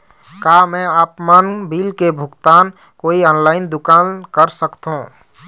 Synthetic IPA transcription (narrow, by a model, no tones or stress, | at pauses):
kamɛ̃apmanbilkebʱukt̪aːn | koːiɔːnlaːɪnd̪ʊkankəɾsəkt̪ɦũ